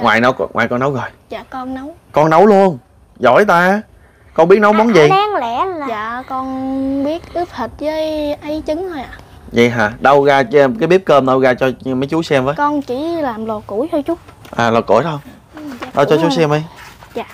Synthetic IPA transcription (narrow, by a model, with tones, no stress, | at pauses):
ŋwaː˨˩jnə˨˦wŋwaː˨˩jkɔ˧nə˨˦wɣɔ˨˩jzaː˧˨kɔ˧nnə˨˦wkɔ˧nːə˨˦wlu˧ən | zɔ̰˧˩jt̪aː˧˦ | kɔ˧nɓi˦˥ət̚nə˨˦wɓɔ˨˦nzi˨˩aː˨˧˦ŋlɛ˧˩˥zaː˧˨kɔ˧nɓi˦˥ət̚ʔɨ˦˥əp̚h̪ʰə˨˩t̚zəː˨˦jʔə˨˦jt͡ɕɨ˨˦ŋmaː˨˩ | zḭ˨˩˨ɦaː˨˩ɗə˧wɣaː˧kaː˨˦ɓi˦˥əp̚kəː˧mɗə˧wɣaː˧t͡ɕɔ˧mə˨˦jt͡ɕu˨˦sɛ˧mvəː˨˦kɔ˧nt͡ɕi˧˩laː˨˩mlo˨˩t̚ku˧˩˦jt͡ɕɔ˧t͡ɕʊ˦˥k͡p̚ʔaː˨˩lɔ˨˩t̚kṵ˧˩˦tə˧wŋ͡m | ɗə˧wt͡ɕɔ˧˦t͡ɕu˨˦˥sɛ˧mʔə˨˦jː